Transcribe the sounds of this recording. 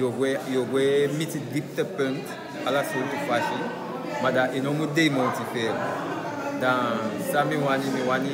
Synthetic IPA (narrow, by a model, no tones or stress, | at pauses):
joɡwɛjoɡwɛmitidip̚təpɛ̃nt | alasoltufwaʃi | mãdaʔenõmudejmõtifɛ | dãsamĩw̃anĩmĩwanĩ